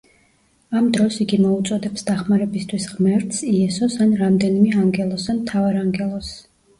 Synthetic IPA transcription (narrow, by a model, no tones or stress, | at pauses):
amd̪ɾɔsiɡimɔut̪sʼɔd̪ɛpsd̪aχmaɾɛbist̪ʰwisʁmɛɾt̪ʰsiɛsɔsanɾamd̪ɛnimɛaŋɡɛlˠɔsanmt̪ʰavaɾaŋɡɛlˠɔs